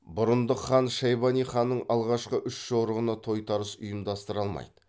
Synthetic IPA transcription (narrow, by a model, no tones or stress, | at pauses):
bʊɾənd̪əχɑnʃɑjβɑnijχɑnːəɴɑlˠʁɑʃqəʔʏʃʒoɾəʁənɑt̪ʰo̞jt̪ʰɑɾəsʊjəmd̪ɑst̪əɾɑlˠmɑ̰jd̪̥ə